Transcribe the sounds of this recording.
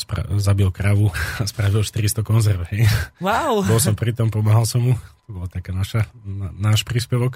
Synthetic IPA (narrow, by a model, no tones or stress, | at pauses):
spɾa̰zabilkɾaʋuaspɾaʋilʃt̪iɾist̪ɔkɔnzɛɾʋɦɛjwawbɔlˠsɔmpɾit̪ɔmpɔmaɦalsɔmɦut̪ɔbɔlat̪akɛːnaʃaanaːʃpɾiːspɛʋɔk